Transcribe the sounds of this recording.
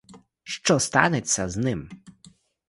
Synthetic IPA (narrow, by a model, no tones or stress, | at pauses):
ʃt͡ʃɔst̪ɑ̰net͡sʲːɐznɪm